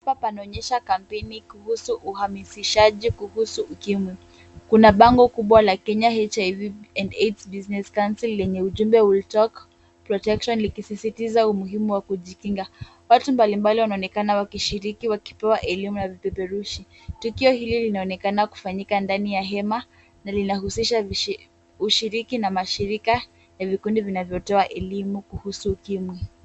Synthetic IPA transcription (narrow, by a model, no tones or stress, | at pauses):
apapanaɔɲɛʃakam̩pɛnikuhusuʔuhamisiʃaʄikuhusuʔːkimwi | kunaɓaŋɡɔkuɓwalakɛɲaɛt͡ʃajviɛndɛtsbiznɛskansilːɛɲɛuʄumbɛwultɔk | pɾɔtɛkʃɔnlikisisitizaumuɦimuwakuʄikiŋɡa | watumbalimbaliwanaɔnɛkanawakiʃiɾikiwaki̥pɛwaʔɛlimunavipɛpɛɾuʃi | tukiɔhililinaɔnɛkanaku̥faɲikandanijaɦɛma | nalinahusiʃa | uʃiɾikinamaʃiɾika | javikundivinavjɔtɔaʔɛlimukuhusuːkimwi